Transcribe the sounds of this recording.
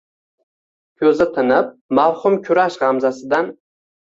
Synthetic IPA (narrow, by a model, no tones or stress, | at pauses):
kʲʰɵzɪt̪ʰɪnɪp̚mawhʊmkʲʰʊɾaʃʁɑmzasɪd̪an